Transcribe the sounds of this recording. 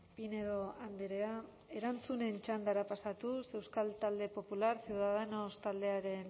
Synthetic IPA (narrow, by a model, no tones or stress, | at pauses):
pine̞ðo̞and̪eɾea | e̞ɾant͡sune̞nt͡ʃand̪aɾapasat̪use̞wskalt̪ald̪e̞po̞pulaɾsiuwðaðeno̞st̪ald̪e̞aɾe̞n